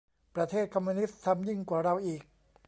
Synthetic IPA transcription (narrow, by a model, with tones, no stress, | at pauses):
pɾa˧t̪ʰeː˥˩t̪̚kʰɔ˧mːu˧ni˦˥tt̪ʰːa˧mji˥˩ŋkwaː˨˩ɾa˧wʔiː˨˩k̚